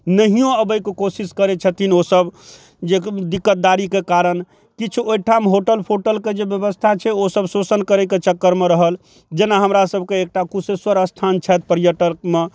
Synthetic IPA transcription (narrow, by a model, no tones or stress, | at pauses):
nəɦijõəbəjkekosiskəɾet͡ʃʰət̪ʰinosəb | d͡ʒed̪ikːət̪̚d̪aɾikekaɾən | kit͡ʃʰuoiʈʰamɦoʈəlpʰoʈəlked͡ʒebjəbəst̪ʰat͡ʃʰɛosəbsosənkəɾɛket͡ʃəkːəɾmeɾəɦəl | d͡ʒenaɦəmɾasəbʱkeek̚ʈakuseswəɾəst̪ʰant͡ʃʰɛt̪̚ʰpəɾijəʈəkme